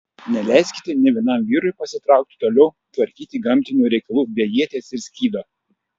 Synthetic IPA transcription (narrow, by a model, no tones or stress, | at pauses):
nʲɛlʲæˑɪsʲkʲɪ̥t̪ʲɛnʲɛʋʲiɛnɐˑmʋʲiːɾʊjpɐsʲɪt̪ɾɑˑʊk̚t̪ʲɪ̥t̪oːlʲɛʊ | t̪ʋɐɾʲkʲiːt̪ʲiːɡɐmʲt̪ʲɪnʲuːɾʲɛɪkɐlˠuːbʲeɛjiɛt̪ʲeːsɪɾsʲkʲiːd̪oː